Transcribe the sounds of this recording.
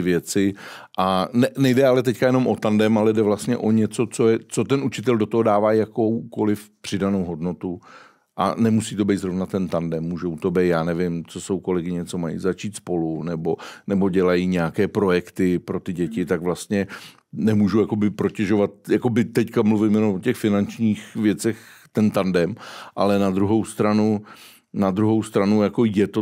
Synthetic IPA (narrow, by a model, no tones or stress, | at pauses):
ɪvjɛt͡sɪʔanɛnɛjdɛalɛt̪ɛckajɛno̞mʔo̞t̪andɛmalɛdɛvlast̪ɲɛ̰ʔo̞ɲɛt͡so̞t͡so̞jɛt͡so̞t̪ɛnʔut͡ʃɪt̪̬ɛldot̪oɦdaːvaːjakowko̞lɪfpr̥ɪdanowɦo̞dno̞t̪u | ʔa̰nɛmusiːt̪o̞bɛjt̪zɾo̞vnat̪ɛnt̪andɛmːuːʒowt̪obɛjt̪jaːnɛvɪmt͡sosowko̞lɛɡɪɲɛt͡so̞majḭzat͡ʃiːt̪spo̞lunɛbo̞nɛbo̞ɟɛlajiɲɛakɛːpɾo̞jɛkt̪ɪpɾo̞t̪ɪɟɛcɪt̪aɡvlast̪ɲɛ | nɛmuːʒujako̞bɪpɾo̞cɛʒo̞vat̪̚jako̞bɪt̪ɛckamluvɪmjɛnomʔocɛxfɪnant͡ʃɲiːxvjɛt͡sɛxt̪ɛnt̪andɛmʔalɛnad̪ɾuɦo̞wst̪ɾanu | nad̪ɾuɦowst̪ɾanujako̞jɛt̪o